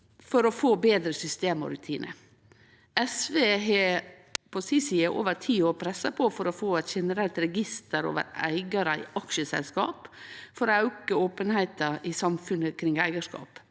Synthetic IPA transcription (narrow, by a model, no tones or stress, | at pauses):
fɔɾɔfoːbeːd̪ɾəsʏst̪eːmɔ̰ɾʉt̪ʰiːnʔə̰ | ɛsʋeːɦe | pʰɔsisiːəʔo̰ːʋəɾʈʰiːoːɾpʰɾɛsɑpʰɔfɔɾɔfoːɛt̪ʃɛnəɾɛlt̪ɾɛɡɪst̪əɾo̰ːʋə̰ɾæ̰ɪɡɑɾəɪ̰ʔɑkʃəsɛ̰lskɑ̰ːpfɔɾɑʉkəoːpənhæɪt̪ɑɪsɑmfʉnəkʰɾɪŋæɪɡəʂkɑ̰ːp